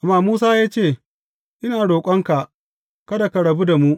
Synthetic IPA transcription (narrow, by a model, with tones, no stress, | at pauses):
ʔa˨mːaː˦muː˦saː˦jaː˦t͡ʃeː˦˨ | ʔɪ˦naː˨ɽoː˨kʷʼɐ˦ŋka˨ʔ | kɐ˦da˨ka˨ɽɐ˨bu˦da˨mu˦ʔ